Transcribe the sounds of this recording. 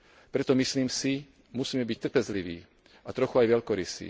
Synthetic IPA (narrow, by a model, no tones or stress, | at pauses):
pɾɛt̪ɔmisliːmsi | musiːmɛbic̚t̪r̩pɛzliʋḭː | at̪ɾɔxuajʋɛʎkɔɾḭsḭː